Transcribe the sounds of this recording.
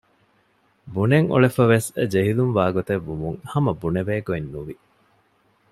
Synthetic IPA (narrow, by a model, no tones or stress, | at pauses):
buneŋṵɭefɐʋesd͡ʒeɦilumʋaːɡot̪eʋːumuŋhɐmɐbuneʋeːɡoenːuʋi